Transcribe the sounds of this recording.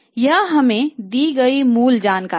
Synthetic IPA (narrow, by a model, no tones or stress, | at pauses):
jəɦɦɐmẽd̪iɡəimuːld͡ʒaːnkaː